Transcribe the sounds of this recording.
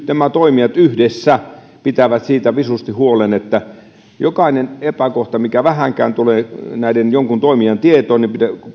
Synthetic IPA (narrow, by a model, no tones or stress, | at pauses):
t̪næmæt̪oimiɑt̪yhdesːæ | pit̪æʋæt̪siːt̪æʋisust̪ihuolenet̪ːæ | jokɑinenepækoht̪ɑmikæʋæhæŋkæ̰ːnt̪uleːnæˑidenjoŋkunt̪oimiɑnt̪iet̪oːnnipit̪æ